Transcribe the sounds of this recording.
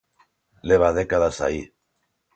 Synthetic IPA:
leβ̞að̞ekaðasa̰i

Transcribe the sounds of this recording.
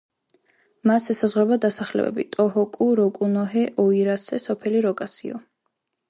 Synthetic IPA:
masɛsazʁwɾɛbad̪asaχlɛ̰bɛ̰bḭt̪ʼɔɦɔkʼuɾɔkʼunɔɦɛʔɔiɾasɛsɔpʰɛliɾɔkʼasiɔ̰

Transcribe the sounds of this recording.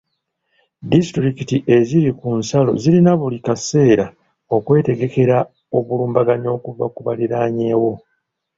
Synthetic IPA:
distɾikitiʔe̞ziɾikunsalo̞̰zilinaβulikase̞ːɾa | o̞kwe̞ːte̞ɡe̞ke̞ɾa | o̞βuluːmbaɡaɲo̞ːkuvakuβaliɾaːɲe̞ːwo̞

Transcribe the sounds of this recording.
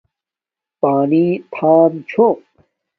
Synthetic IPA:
paːnit̪ʰaːmt͡ɕʰo

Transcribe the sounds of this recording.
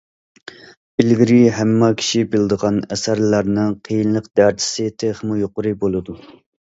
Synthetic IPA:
bɪlɡʲiɾiɦæmːɑkʲʰi̥ʃibɪld̪əʁɑnɛsæɾlæɾnɨŋqʰəjinlˠəqd̪æɾt̪ʰɪ̥sɪt̪ʰeχmujoqʊɾɨbolˠɨd̪u

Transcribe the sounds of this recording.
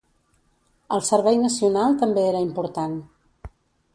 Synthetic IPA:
əlˠsəɾβɛjnəsiunalˠt̪əmbeeɾəimpuɾt̪an

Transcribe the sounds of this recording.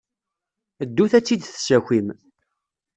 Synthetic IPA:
əd̪ːuθæt͡sːid̪θsæçʷim

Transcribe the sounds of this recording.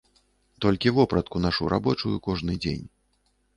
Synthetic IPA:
t̪ɔlʲkʲivɔpɾɐt̪̚kunaʂuɾa̰bɔt͡ʂujukɔʐnɨd͡zʲḛnʲ

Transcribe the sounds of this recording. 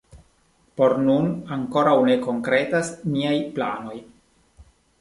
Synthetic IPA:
po̞ɾnunaŋko̞ɾawne̞ko̞ŋkɾe̞tasniajplano̞j

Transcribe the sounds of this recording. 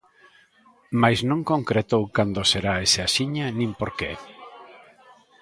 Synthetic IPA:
majznõŋkõŋkɾet̪owkand̪oseɾaeseasiɲanĩmpoɾke

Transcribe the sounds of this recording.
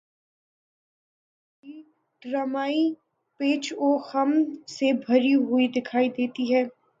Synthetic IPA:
i | ɖɾaːmaːi | peːt͡ʃoːxɐmsebʱɐɾiɦʊid̪ɪkʰaːid̪eːt̪iɦɛː

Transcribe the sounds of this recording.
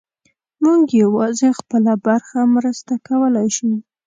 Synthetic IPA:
muɡjawɑzexpəlabaɾxamɾəst̪akawəlajʃu

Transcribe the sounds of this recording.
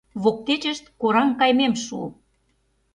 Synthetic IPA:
βok̚t̪et͡ɕə̆ʃt̪̚koɾɑŋkɑjmemʃṵ

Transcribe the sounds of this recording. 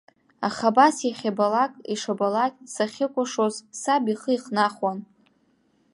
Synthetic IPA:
aχabasjaχʲabalakʼiʂabalakʼsaχʲɪkʷʼʊʂozsabiχəiχnaχwan

